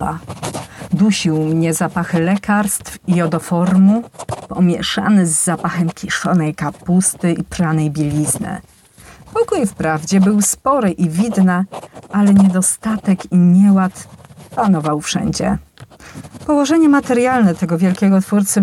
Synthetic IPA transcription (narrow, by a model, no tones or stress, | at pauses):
a̰ | d̪uɕiwmɲɛzapaxlɛkaɾst̪fijɔd̪ɔfɔɾmupɔmʲjɛ̰ʂa̰nɘzːapaxɛmkʲiʂɔnɛjkapust̪ɘipɾanɛjbʲilʲiznɘ̰ | pɔkujfpɾavd͡ʑɛbɘwspɔɾɘʔivʲid̪naʔalɛɲɛd̪ɔst̪at̪ɛkiɲɛwat̪panɔvawfʂɛ̰ɲd͡ʑɛ̰ | pɔwɔʐɛɲɛmat̪ɛɾjalnɛt̪ɛɡɔvʲjɛlkʲɛɡɔt̪fuɾt̪sɨ